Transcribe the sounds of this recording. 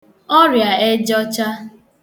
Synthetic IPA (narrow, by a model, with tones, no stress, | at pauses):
ɔ˦ɾja˨e˦d͡ʒɔ˦t͡ʃa˦